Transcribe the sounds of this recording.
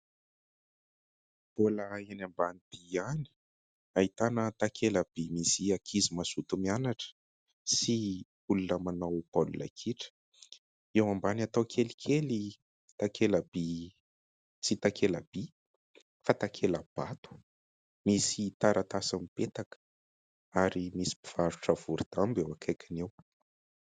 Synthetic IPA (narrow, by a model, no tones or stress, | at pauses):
b̥oləenambanid̪̥iani̥ | aɦit̪anət̪akʰeləb̥imisiakʰizimasut̪umianaʈ͡ʂə̥ | si | ulunəmanawpolṵla̰kʰiʈ͡ʂə̥ | ewambanat̪awkʰelikʰeli | t̪akʰeləb̥i | t͡sit̪akʰela̰b̥i | fat̪akʰeləb̥at̪u̥ | misit̪aɾat̪asamipet̪akə̥ | aɾimisi̥pi̥v̥aɾuʈ͡ʂəv̥uɾit̪ambewakʰajkʲʰinew